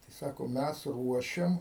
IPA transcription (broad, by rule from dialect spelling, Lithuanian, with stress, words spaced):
tɐɪ ˈsɑːkoː ˈmʲæs ˈruɔʃʲɛm